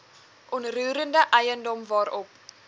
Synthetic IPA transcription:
ʔɔnruːɾəndəʔɛjəndɔmvɑːɾɔp̚

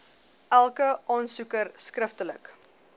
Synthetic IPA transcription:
ʔælˠkəʔɑːnsukərskrəftələ̰k

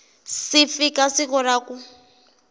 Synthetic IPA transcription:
sifikasikɔɾaːku

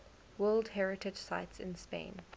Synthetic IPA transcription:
wɜːlˠdhɛɹɪtʰɪd͡ʒ̥saɪtsɪ̰̃nspḛ̃ɪ̃n

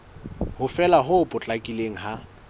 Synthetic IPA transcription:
hʊfɛlaɦʊpʼʊt͡ɬʼakʼileŋ̩ɦa

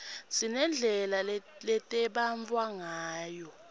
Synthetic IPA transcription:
sinɛnd͡ɮʱɛlalɛtʼɛɓaɱvwaŋaːjɔ

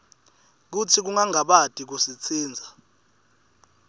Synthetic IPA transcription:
k̬utʰik̬uŋaŋaɓad̥ʱʼik̬usit͡sʰiːnd͡zʱa

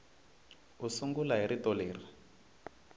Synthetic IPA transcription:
usuŋɡulaɦiɾitɔleːra

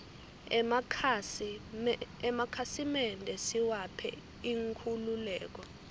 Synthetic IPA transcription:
ɛmakʰasimɛndʱɛsiwapʰɛ̰ | iŋkʰululɛːk̬ɔ

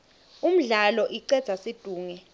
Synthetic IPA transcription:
um̩ɮalɔʔiǀɛdz̥ʰʱasid̥ʱuːŋɛ

